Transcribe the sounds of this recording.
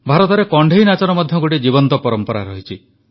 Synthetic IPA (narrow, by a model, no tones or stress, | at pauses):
bʱaɾɔt̪ɔɾekɔɳɖʱeɦjnat͡ʃɔɾɔmɔd̪ʱjɔɡoʈid͡ʒibɔnt̪ɔpɔɾɔmpɔɾa̰ɾɔɦit͡ʃʰi